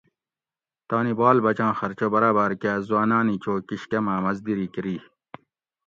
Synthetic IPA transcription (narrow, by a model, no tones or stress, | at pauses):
t̪aːnibaːlbɐt͡ɕãːxɐɾt͡ɕobɐɾaːbɐːɾkaːzwaːnaːnit͡ɕoːkiɕkemaːmɐzd̪iɾikiɾiː